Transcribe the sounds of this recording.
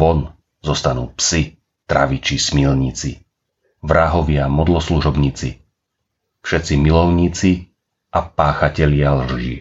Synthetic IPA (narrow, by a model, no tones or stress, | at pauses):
ʋɔn | zɔst̪anuːpsi | t̪ɾa̰ʋit͡ʃismilɲit͡si | ʋɾaɦɔʋɪamɔd̪lɔsluʒɔbɲiːt͡sḭ | fʃɛt̪t͡similɔʊɲiːt͡si | ʔapaːxacɛʎɪalr̩ʒḭː